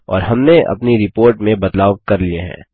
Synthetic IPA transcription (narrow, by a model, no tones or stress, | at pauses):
ɔ̰ːɾɦɐmneʔɐ̰pniɾɪpoːɾʈmẽbɐd̪laːwkɐɾlieɦɛ̰̃ː